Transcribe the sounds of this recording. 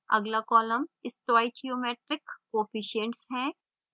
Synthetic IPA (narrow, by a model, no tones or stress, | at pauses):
ɐ̰ɡlakɔːləmɪstʋaːit͡ʃiomeːʈɾɪkːoːfiʃəɳʈsɦɛ̃ː